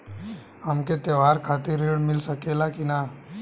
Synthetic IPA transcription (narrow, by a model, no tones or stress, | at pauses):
ɦɐmket̪eʋɦaːɾkʰaːt̪iɾeɽmɪlsəkelakina